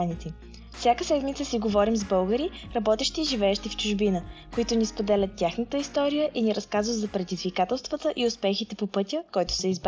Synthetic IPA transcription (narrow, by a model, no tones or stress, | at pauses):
nit̪i | fsʲjakəsɛd̪mit̪səsiɡovɔɾimzbɤlˠɡəɾi | ɾɐbɔt̪ɛʃt̪iːʒivɛɛʃt̪ift͡ʃʊʒbinəkoit̪ʊnispod̪ɛlʲət̪ːjaxnət̪əist̪ɔɾijəʔiniɾɐskazvət̪zɐpɾɛd̪izvikat̪ɛlˠst̪vət̪əʔiʊspɛxit̪ɛpopɤt̪ʲəkɔjt̪ʊ̥sɛizb